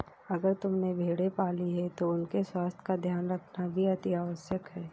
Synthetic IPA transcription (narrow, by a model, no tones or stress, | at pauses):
ɐɡəɾt̪ʊmnebʱeːɽepaːliɦɛt̪oʊnkeswaːst̪ʰjə̥kad̪ʱjaːnɾɐkʰnabʱiɐt̪iaːʋəʃjəkɦɛː